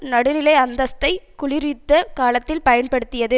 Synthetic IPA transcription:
nɐɽɯnɪlɐɪɐnd̪ɐst̪ːɐɪkʊlɪɾɪt̪ːɐkaːlɐt̪ːɪlpɐjɐnpɐɽɯt̪ːɪjɐðɯ

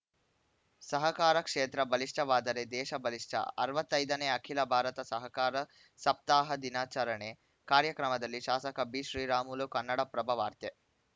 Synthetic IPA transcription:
sɐɦɐkaːɾɐkʂeːt̪ɾɐbɐliʂʈʰɐʋaːd̪ɐɾed̪ɛːʃɐbɐliʂʈʰɐ̰ɐ̰ɾɐʋɐt̪ːɐjd̪ɐneːɐkʰilɐbʱaːɾɐt̪ɐsɐɦɐkaːɾɐ | sɐp̚t̪aːɦɐd̪inaːt͡ʃaɾɐɳe | kaːɾjɐkɾɐmɐd̪ɐlːiʃaːsɐkɐbiːʃɾiːɾaːmulukɐnːɐɽɐpɾɐbʱɐʋaːɾt̪je

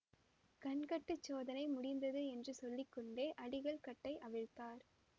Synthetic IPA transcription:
kɐɳkɐʈːɯt͡ʃːoːðɐnɐɪmʊɽɪnd̪ɐðɯɛndrɯsɔlːɪkːɔɳɖeːʔɐɽɪɣɐɭkɐʈːɐɪʔɐʋɪɻt̪aːɾ

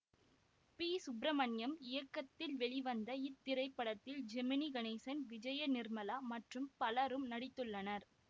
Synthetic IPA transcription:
piːsʊbɾɐmɐnjɐmɪjɐkːɐt̪ːɪlʋɛɭɪʋɐnd̪ɐɪt̪ːɪɾɐɪpːɐɽɐt̪ːɪld͡ʒɛmɪniɡɐnɛsɐnʋɪd͡ʒɐjɐnɪrmɐlaːmɐʈrɯmpɐlɐɾɯmnɐɽɪt̪ːɯɭːɐnɐɾ

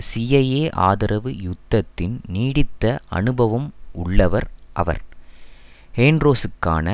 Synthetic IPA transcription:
sijɐjeːʔa̰ːðɐɾʔɐʋɯjʊd̪ːɐt̪ːɪnniːɽɪt̪ːɐʔɐ̰nɯbɐʋɐmʊɭːɐʋɐɾʔɐʋɐ̰ɾ | heːndɾoːsɯkːa̰ːnɐ

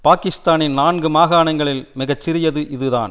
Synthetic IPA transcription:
paːkɪst̪aːnɪnnaːɳɡɯmaːɣaːnɐŋɡɐɭɪlmɪɣɐt͡ʃːɪɾɪjɐðɯʔɪðɯða̰ːn

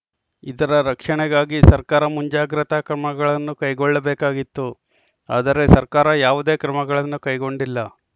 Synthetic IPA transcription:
id̪ɐɾɐɾɐkʂɐɳɛɡaːɡisɐɾkaːɾɐmuɲd͡ʒaːɡɾɐt̪ɐkɾɐmɐɡɐɭɐnːukɐjɡoɭːɐbeːkaːɡit̪ːu | aːd̪ɐɾe̞sɐɾkaːɾɐjaːʋud̪e̞ːkɾɐmɐɡɐɭɐnːukɐjɡo̞ɳɖilːɐ

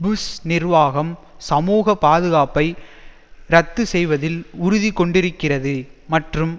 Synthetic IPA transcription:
bɯsnɪrʋaːɣɐmsɐmuːɣɐpaːðɯɣaːpɐɪ | ɾɐt̪ːɯsɛjʋɐðɪlʊɾʊðikːɔɳɖɪɾɯkːɪrɐðɯmɐʈrɯm

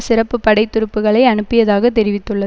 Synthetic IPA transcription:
sɪrɐpːɯpːɐɽɐɪt̪ːʊɾɯpːɯɣɐɭɐɪɐɳɯpːɪjɐðaːɣɐt̪ːɛɾɪʋɪt̪ːɯɭːɐ

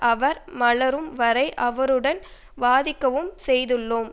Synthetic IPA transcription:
ʔɐʋɐɾmɐɭɐɾɯmʋɐɾɐɪʔɐʋɐɾɯɽɐn | ʋaːðɪkːɐʋɯmsɛjðɯɭːoːm

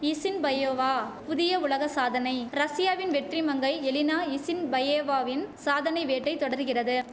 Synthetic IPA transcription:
ɪsɪnbɐjoːʋaːpʊðɪjɐʊɭɐɣɐsaːðɐnɐɪɾɐsɪjaːʋɪnʋɛʈrimɐŋɡɐɪɛlɪnaːɪsɪnbɐjeːʋaːʋɪnsaːðɐnɐɪʋeːʈːɐɪt̪ɔɽɐɾɣɪrɐðɯ

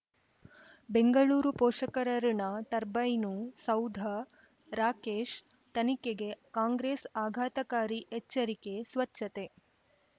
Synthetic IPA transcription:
beŋɡɐɭuːɾupoːʂɐkɐɾɐɾinɐt̪ɐɾbɐjnusɐwd̪ʱɐ | ɾaːkeːʃ | t̪ɐnikeɡe̞kaːŋɡɾeːsaːɡʱaːt̪ɐkaːɾiɛt͡ʃːɐɾikesʋɐt͡ʃʃːɐt̪e

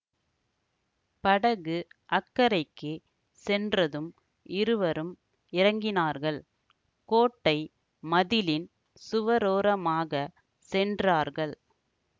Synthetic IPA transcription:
pɐɽɐɣɯʔɐkːɐɾɐɪkːɯ | sɛndrɐðɯm | ʔɪɾɯʋɐɾɯm | ɪɾɐŋɡɪnaːɾɣɐɭ | koːʈːɐɪ | mɐðɪlɪn | sʊʋɐɾoːɾɐmaːɣɐ | sɛndraːɾɣɐɭ

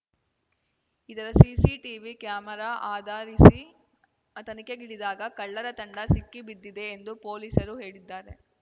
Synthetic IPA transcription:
id̪ɐɾɐsiːsiʈiʋikjaːmɐɾaːʔaːd̪aːɾisi | ɐt̪ɐnikeɡiɽid̪aːɡɐkɐɭːɐɾɐt̪ɐɳɖɐsikːibid̪ːid̪e̞ːnd̪upoːliːsɐɾuɦeːɭid̪ːaːɾe̞

